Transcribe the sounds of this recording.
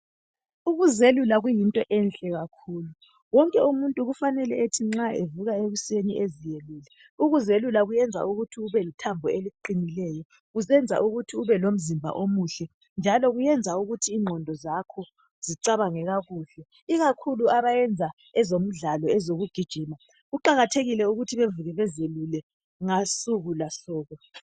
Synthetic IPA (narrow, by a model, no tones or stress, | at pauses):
uɣuzelulaɣujintʼɔʔɛnɬʼɛɣakʰuːlu | wɔŋkʼɛumuntʼuɣufanɛlɛetʰiŋ͡ǁaevuɣaeɣuseniʔezijeluːlɛ | uɣuzelulaɣujɛnd͡zʱa̰ʔuɣutʰiuβɛlitʰambʱɔeliǃinilɛːjɔ | ɣusɛnd͡zʱa̰ʔuɣutʰiuβɛlom̩zimbʱa̰ʔomuɬɛ | nd͡ʒʱalɔɣujɛnd͡zʱauɣutʰiːŋʱɔndʱɔzakʰɔ | z̥iǀaβaŋɛɣaɣuːɬɛ | iɣakʰuluaβajɛnd͡zʱa | ɛzom̩ɮalɔɛzoɣuɡ̥ʱid̥ʒ̥ʱiːma | ɣuǃaɣatʰeɣilɛuɣutʰiβevuɣɛβɛzelulɛ | ŋasuɣulasɔːɣɔ